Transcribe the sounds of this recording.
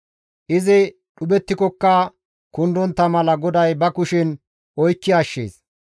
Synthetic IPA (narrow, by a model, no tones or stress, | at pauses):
ʔɪzɪ | ɗʊbɛt̪ːɪkɔkːɐ | kʊnd̪ɔnt̪ːɐmɐlɐɡɔd̪ɐjbɐkʊʃɪn | ʔɔjkːɪɐʃːḛːs